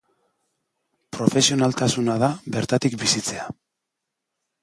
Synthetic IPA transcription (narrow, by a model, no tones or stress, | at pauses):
pɾo̞fe̞sio̞nalt̪asunað̞aβe̞ɾt̪at̪ikbisit͡se̞a